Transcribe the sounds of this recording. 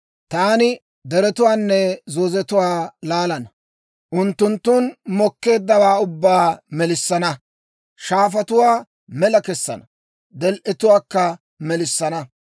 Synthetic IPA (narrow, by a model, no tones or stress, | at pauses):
t̪aːnɪ | d̪ɛɾɛt̪ʊwaːnːɛzoːzɛt̪ʊwaːlaːlɐnɐ | ʔʊnt̪ːʊnt̪ːʊnmɔkːe̞ːd̪ːɐwaːʊbːaːmɛlɪsːɐnɐ | ʃaːfɐt̪ʊwaː | mɛlɐkɛsːɐ̰nɐ | d̪ɛlʔɛt̪ʊwaːkːɐ | mɛlɪsːɐnɐ